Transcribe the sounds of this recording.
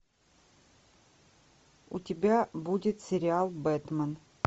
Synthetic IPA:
ʊtʲɪbʲabudʲɪt̪sʲɪɾʲɪalˠbɛt̪mən

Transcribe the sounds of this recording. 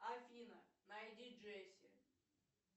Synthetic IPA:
ɐfʲinɐnɐjdʲiʐɛsʲɪ̰

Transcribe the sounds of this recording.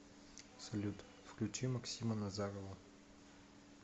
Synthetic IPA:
sɐlʲut̪ | fklʲʉt͡ʃimɐksʲimənɐzaɾovə

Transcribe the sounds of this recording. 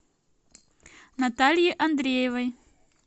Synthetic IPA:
nɐt̪alʲjiʔɐnd̪ɾʲejəvɐj

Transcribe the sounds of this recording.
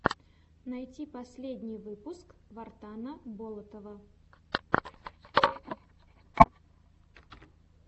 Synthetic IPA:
nɐjtʲipɐsʲlʲed̪ʲnʲɪjvɨpʊskvɐrt̪anəbolˠət̪əvə

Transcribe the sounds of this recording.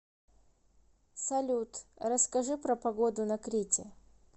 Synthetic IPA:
sɐlʲut̪rɐskɐʐɨpɾɐpɐɡod̪ʊnɐkɾʲitʲɪ

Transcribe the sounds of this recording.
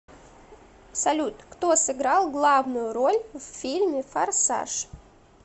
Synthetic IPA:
sɐlʲut̪kt̪osɨɡɾalˠɡlˠavnʊjʊɾolʲvʲfʲilʲmʲɪfarsa̰ʂ

